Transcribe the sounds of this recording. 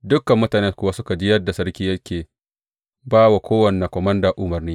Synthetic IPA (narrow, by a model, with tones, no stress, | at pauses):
dʊ˦kːɐ˨mːʊ˦taː˨neː˦kʷʊ˨˦wa˦sʊ˦ka˨d͡ʒi˦jɐ˦dːa˨sɐ˦ɾkʲiː˦jɐ˦kʲeː˨ | baː˦wa˨kʷoː˦wɐ˨ne˨kʷɔ˨mɐ˦ndaː˨ʔʊ˦mɐ˨rniː˦